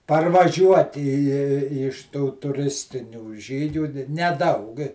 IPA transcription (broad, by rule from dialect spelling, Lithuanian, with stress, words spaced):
pɐrʋɐˈʒʲuɔtʲɪ ɪ ɪ ɪ ɪʃ tuː tʊˈrʲɪsʲtʲɪnʲuː ˈʒʲiːɡʲuː nʲɛˈdɐʊk